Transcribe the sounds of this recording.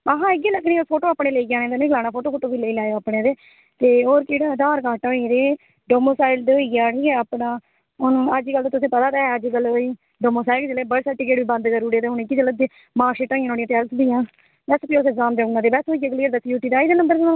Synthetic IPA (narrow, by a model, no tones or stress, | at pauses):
aɦãːɪɡeləkʰːɾĩːpʰoːʈoːaːpɳẽːleiːɡaːnẽːd̪enẽːɡəlaːnaːpʰoːʈoːpʰoːʈoːbiːleiːlaːjoːaːpɳeːd̪eː | t̪eːoːɾkeːɽaːd̪aːɾkaːʈɔ̃ːĩd̪eː | ɖoːmoːsaːɪld̪eɦoːiːɡaːʈiːkɛaːpɳãː | ʊnũːəd͡ʒiːkəlt̪at̪ʊsĩːpət̪aːd̪ɛːɛəd͡ʒikəlɦoːiː | ɖoːmoːsaːɪld͡ʒleːbəɽsɛʈiːkeːʈʋiːbə̃nd̪kəɾuːɽeːt̪eːɦʊnɪkːiːd͡ʒələd̪eː | maːʃeːʈɔ̃ːãːnoːɽijãːʈ̪ɛːlsbiːjãː | bɛːspiːʊsɛːkzaːmd̪eːʊnãːd̪eːbɛsɦoːiɡãːkliːəɾd̪aːsjuːʈiːd̪aːiːd̪eːnəmbəɾkeã